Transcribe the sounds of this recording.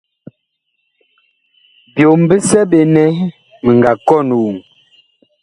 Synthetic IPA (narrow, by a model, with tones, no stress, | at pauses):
bjo˨m˨bə˦sɛ˦be˨nɛ˦ | mə˨ŋ˨ɡa˨kɔ˦˨nu˨u˨ŋ